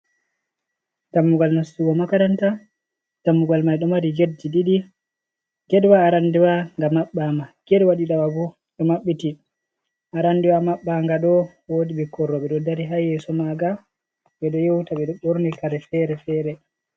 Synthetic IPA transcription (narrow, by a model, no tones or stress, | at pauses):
d̥amːuɡalnasːuwɔmakaɾanta | d̥amːuɡalmajɗɔmaɾiɡedd͡ʒiɗiɗi | ɡɛdwaːɾandiwaŋɡamaɓːamaɡ̥ɛdwaɗiɗawabɔ | ɗɔmaɓːiti | ʔaɾandiwamaɓːaŋɡaɗɔ | wodiɓɛkɔɾːɔɓɛɗɔdaɾiɦajɛsɔmaɡa | ɓɛɗɔjewtaɓɛɗɔɓoɾnikaɾɛfɛɾɛfɛːɾɛ